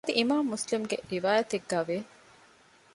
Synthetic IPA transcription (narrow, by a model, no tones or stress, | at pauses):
d̪iʔimaːmːuslimɡḛɾiʋaːjɐt̪eɡːaːʋe